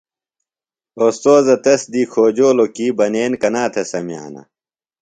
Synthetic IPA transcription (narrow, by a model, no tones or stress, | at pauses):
ost̪oːzɐt̪ɐsd̪iːkʰoːd͡ʑoːlokiːbɐneːnkɐnaːt̪ʰesɐmija̰ːnɐ̰